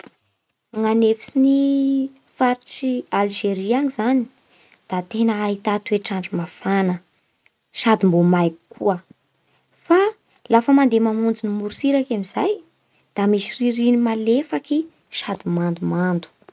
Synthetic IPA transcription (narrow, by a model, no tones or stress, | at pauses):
aŋanefisini | faɾiʈ͡ʂialʒeɾiaŋizani̥ | d̪̥at̪enəait̪at̪ueʈ͡ʂaɳɖ͡ʐumafanə | ʃad̪imbomajku̥kʰuə | fa | lafəmand̪emamund͡zinimuɾusiɾakamizaj | d̪̥amisiriɾinimalefaki | ʃad̪imand̪umand̪u̥